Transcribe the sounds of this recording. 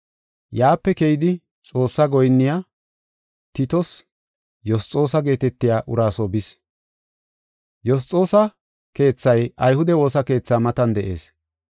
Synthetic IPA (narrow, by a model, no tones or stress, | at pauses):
jaːpːɛkejɪd̪ɪ | t͡sʼo̞ːsːɐɡɔjnːɪja | t̪ɪt̪ɔs | jɔst͡sʼːo̞ːsɐɡe̞ːt̪ɛt̪ːɪjaːʔʊɾaːsɔbɪs | jɔs̬t͡sʼo̞ːsɐ | ke̞ːt͡sːɐjʔɐjhʊd̪ɛwo̞ːsɐke̞ːt͡sːaːmɐt̪ɐnd̪ɛʔe̞ːs